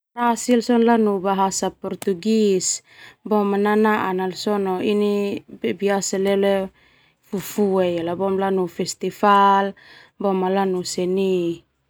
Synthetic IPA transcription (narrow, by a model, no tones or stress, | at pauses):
rasilsɔnlanubaɦasapɔrt̪uɡis | bɔmananaʔanalsɔnoinibebiasalele | fufuejalabɔmlanufɛst̪ifalbɔmalanusɛni